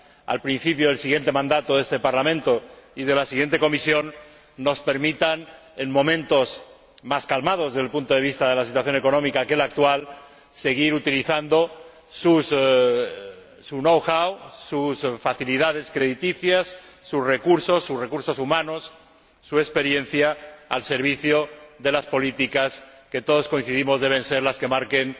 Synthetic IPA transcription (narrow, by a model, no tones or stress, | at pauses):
a̰lpɾin̟θipjoð̞elsiɣjent̪e̞mãnd̪at̪oðe̞st̪epaɾlamẽnt̪o̞iðe̞lasiɣje̞nt̪e̞komisjo̞nː | o̞spe̞ɾmit̪an | e̞nmõ̞mẽnt̪o̞s | maskalmað̞ozðelpunt̪oðe̞β̞ist̪aðe̞lasit̪waθjo̞neko̞nõ̞mikake̞lak̚t̪wal | se̞ɣ̞iɾut̪iliθand̪o̞ | sus | sunowxawsusfaθiliðað̞e̞skɾeðit̪iθjasːusre̞kuɾso̞sːusre̞kuɾso̞sumãno̞sː | ue̞kspe̞ɾje̞n̟θjaa̰lse̞ɾβ̞iθjo̞ðe̞laspo̞lit̪ikaske̞t̪o̞ð̞o̞sko̞ĩn̟θiðimo̞zðe̞β̞e̞nse̞ɾlaske̞maɾke̞n